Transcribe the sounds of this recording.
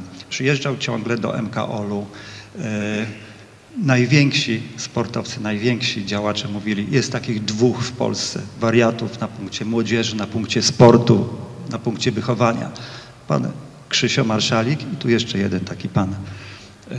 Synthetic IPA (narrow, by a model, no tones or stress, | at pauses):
pʂɨjɛʐd͡ʐawt͡ɕɔ̃ŋɡlɛd̪ɔ̰ʔɛ̰mka̰ʔɔlu | najvʲjɛŋkɕispɔɾt̪ɔft̪sɘnajvʲjɛŋkɕid͡ʑawat͡ʂɛmuvʲilʲijɛst̪ːakʲiɣd̪vuxfpɔ̰lst̪sɛ̰vaɾʲjat̪ufnapuŋkt͡ɕɛmwɔd͡ʑɛʐɘnapuŋkt͡ɕɛspɔɾt̪unapuŋkt͡ɕɛvɘxɔvaɲa̰ | pa̰n | kʂɘɕɔmaɾʂalʲikit̪ujɛʂt͡ʂɛjɛd̪ɛnt̪akʲipan